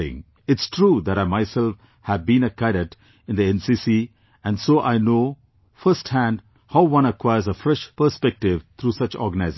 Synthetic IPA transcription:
ɪ̰̃ŋ | ɪʈsʈʰɾuːd̪æɾaɪmaɪsɛlf | hævbĩnəkaɪɾəʈ | ɪ̃nd̪iɛ̃nsiːsi | æ̃nɖsoːʔaɪnoː | fəɾsʈhæ̃nɖ | haʊʋʌ̃nəkwaɪəɾzəfɾɛʃpəɾspɛk̚ʈɪʋt̪ʰɾuːsʌt͡ʃɔ̰ɾɡənaɪz

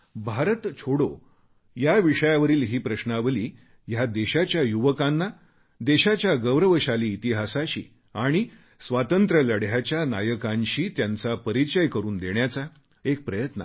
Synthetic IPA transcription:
bʱaɾət̪t͡ɕʰoɽo | jaʋiʂəjaʋəɾiːlɦiːpɾəɕnaʋəliː | jad̪eɕat͡ɕjajuʋəkanːa | d̪eɕat͡ɕjaɡəʋɾəʋəɕaliːt̪iɦasaɕḭː | aɽ̃i | sʋat̪ənt̪ɾələɽjat͡ɕjana̰jəkãɲɕiːt̪jant͡sapəɾit͡ɕəjkəɾuːnd̪eɳjat͡sa | ek̚pɾəjət̪nə̰

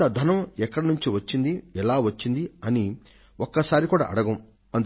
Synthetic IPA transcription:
ɐd̪ʱɐnɐmɛkːɐɽɐnuɲt͡ʃiʋɐt͡ʃːind̪iɛlaːʋɐt͡ʃːind̪iɐni | okːɐsaːɾikuːɽa̰ːʔɐ̰ɽɐɡɐm | ɐnt̪

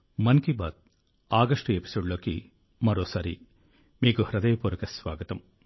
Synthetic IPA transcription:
mɐnkiba̰ːd̪̚ | aːɡɐʂʈuepi̥soːɖɭoːki | mɐɾoːsaːɾḭ | miːɡuhɾɐd̪ɐjɐpuːɾɐkɐsʋaːɡɐt̪ɐm

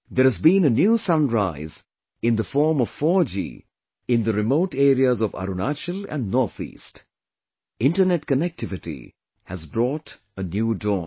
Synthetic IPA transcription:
d̪əɾhɨzbĩnənjuːsʌ̃nɹaɪz | ɪ̃nd̪əfɔːɹmɔv̥fɔd͡ʒḭ | ɪ̃nd̪əɾɪmoʊʈeːɾiəzɔʋa̰ɾunat͡ʃəlæ̰̃nnɔːɾθḭːst | ɪ̃nʈənɛʈkənɛk̚tʰɪvɪʈḭ | hæzbɾɔːt | ənjuːdɔ

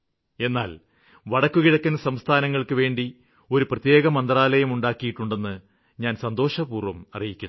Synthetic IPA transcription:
e̞nːaːl | ʋɐɽɐkːukiɽɐkːunːɐsɐmst̪ʰaːnɐŋːɐɭkɨʋe̞ːɳɖi | o̞ɾuprɐt̪je̞ːɣɐmɐnd̪raːlɐjɐmuɳɖaːkːijiʈːuɳɖe̞nːɨ | ɲaːnsɐnd̪o̞ːʂɐbuːrʋɐmɐrijikʲːun

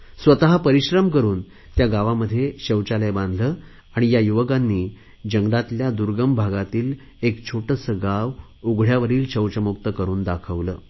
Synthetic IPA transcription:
sʋət̪aɦapəɾiɕɾəmkəɾuːn | t̪jaɡaʋaməd̪ʱːjeɕəwt͡ɕaləjbãnd̪ʱləː | aɽ̃ijajuʋəkanːiː | d͡ʑəŋɡɾat̪ljad̪uɾɡəmbʱaɡat̪iːl | ekt͡ɕʰoʈəsəɡaʋ | uɡʱɽjaʋəɾiːlɕəwt͡ɕəmuk̚t̪əkəɾuːnd̪akʰəʋləː

